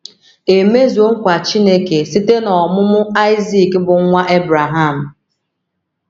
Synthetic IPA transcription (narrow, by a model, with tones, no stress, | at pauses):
e˨me˦zu˨o˦ŋ̩˦kʷa˨t͡ʃi˦ne˦ke˨si˦te˦nɔ˨mʊ˦mʊ˦a˦ɪ˦zi˦˨kbʊ˨ŋ˦ŋʷa˦ʔe˦bɾa˨ɦa˦˨m̩˨